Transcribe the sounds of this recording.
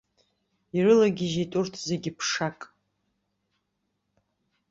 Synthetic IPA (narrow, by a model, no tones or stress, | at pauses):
irɨlaɡʲɪʒetʼʊrtʰzeɡʲɪpʰʂakʼ